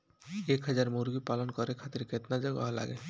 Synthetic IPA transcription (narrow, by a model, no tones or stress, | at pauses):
ekɦad͡ʑaɾmoɾɡipalonkɔɾekʰat̪iɾket̪nad͡ʑɔɡa̰ɦala̰ɡḛ